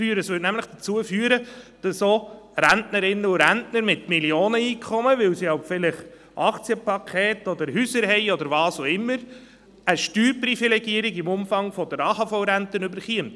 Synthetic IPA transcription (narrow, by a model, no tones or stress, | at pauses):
yːɾəsʋʏːtnæmləχd̥ət͡suəfyːəɾəd̥ɑsoː | ɾæntnəɾɪnːəʊɾæntnəɾmɪtmiljoːnəiːkʰχɔməʋɪwsiaʊpfɪlɪχ | ʔɑkt͡sjəpʰɑkʰeːtɔd̪əɾɦysəɾhɛɪɔd̪əɾvɑːsoɪmːəɾ | əʃtyːɾprifilɛɡiəɾɪɡɪmʊmfɑŋfɔdəɾɑːhɑfɔʊɾæntənʏbəɾχiənt